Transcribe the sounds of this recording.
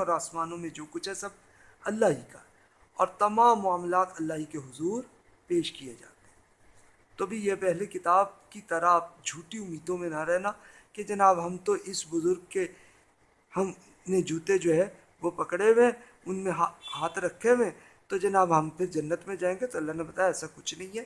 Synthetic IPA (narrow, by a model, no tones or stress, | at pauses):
ɔːɾaːsmaːnõmẽd͡ʒoːkʊt͡ʃʰɦɛsɐb̚ | ɐlːaːɦika̰ | ɔːɾt̪ɐmãːmːʊaːmlaːt̪ɐlːaːɦikeɦʊzuːɾ | peːʃkijed͡ʒa̰ːt̪eɦɛ̃ | t̪oːbʱijepɛɦlekɪt̪aːb̚kit̪ɐɾabd͡ʒʱuːʈiʊmːiːd̪õmẽnaɾɛɦna | ked͡ʒɐnaːbɦɐmt̪oʔɪsbʊzʊɾɡ̚ke | hɐm | nẽd͡ʒuːt̪ed͡ʒoːɦɛ | ʋopɐkɽewẽ | ʊnmẽɦaɦaːt̪ʰɾɐkʰːewẽ | t̪od͡ʒɐnaːbɦɐmpʰɪɾd͡ʒɐnːət̪mẽd͡ʒaːẽːŋɡet̪oɐlːanebɐt̪aːjaɛːsakʊt͡ʃʰnɐɦĩɦɛː